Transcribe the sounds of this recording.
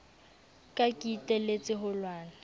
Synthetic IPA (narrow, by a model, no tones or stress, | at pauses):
kʼakʼitʼɛlet͡sʼɪɦʊlwaːna